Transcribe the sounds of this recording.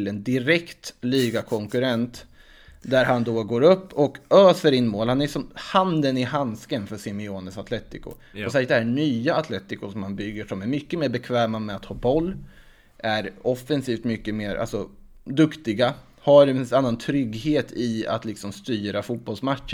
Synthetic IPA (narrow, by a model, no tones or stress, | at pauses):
lɛnd̪ɪɾɛkt̪lyːɡakʰɔŋkɵɾɛnt̪ | d̪æɾɦand̪ɔɡoːɾɵpːɔkœːsœɾɪnːmoːlhanæʂɔmhand̪ənɪɦanskənfœʂɪmɪoːnəsat̪lɛt̪ːɪkʊ̰ | ɔsɛd̪ɛhæɳyːaːt̪ʰlɛt̪ːɪkʊʂɔmhanbʏɡːəʂɔmæɾmʏkːəmeːɾbɛkʰvɛːmamɛat̪hɑːbɔlː | ʔæɾɔfːɛnsiːft̪mʏkːəmeːɾʔa̰lsɔ | d̪ɵkt̪ɪɡa | haɾɛnanːant̪ʰɾʏɡheːt̪ʰɪa̰t̪lɪksɔmst̪yːɾafuːt̪̚bɔlsmat̪ʂə